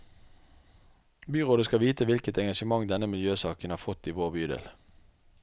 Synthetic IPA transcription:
byːʁoːd̪əskɑʋiːt̪əʋɪlkət̪ɛŋɡɑʃəmɑŋd̪ɛnəmɪljøːsɑːkənhɑːfɔt̪ːiːʋoːbyːd̪ḛːl

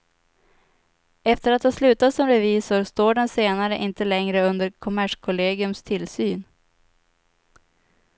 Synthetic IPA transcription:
ɛft̪əɾat̪hɑslʉ̟ːt̪asɔmɾɛviːsʊɾst̪oːɖɛnseːnaɾəʔɪnt̪əlɛŋɾəɵnd̪əɾkʰʊmæʂkʰʊleːɡɪɵmst̪ʰɪlsyːn

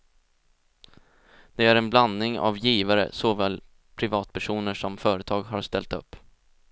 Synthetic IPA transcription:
d̪̥ɛæɾɛnbland̪ɪŋa̰vjiːvaɾə̰soːvɛːl | pʰɾɪvɑːt̪pʰæʂuːnəʂɔmfœːɾət̪ʰɑːɡɦaɾʂt̪ɛlt̪ɵ̰pː

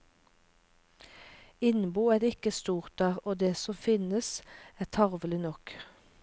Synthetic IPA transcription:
ɪnbuːæːʁɪkəst̪uːʁt̪̚d̪æːʁoːd̪eːsɔfɪnəsæːt̪ʰɑʁʋəlɪnɔk

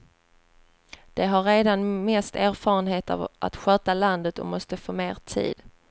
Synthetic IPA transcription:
d̪̥ɛɦaɾeːd̪anmɛst̪æːɾfɑːɾənɦeːt̪a̰vʔa̰t̪ɧœːt̪aland̪ət̪ɔ̰mɔst̪əfoːmeːɾt̪ʰḭːd̪̥

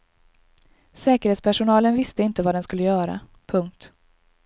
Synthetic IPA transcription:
sɛːkəɾeːt̪spæʂʊnɑːlənvɪst̪əɪnt̪əvaːd̪ɛnskɵlːəjœːɾa̰ | pʰɵŋk̚t̪

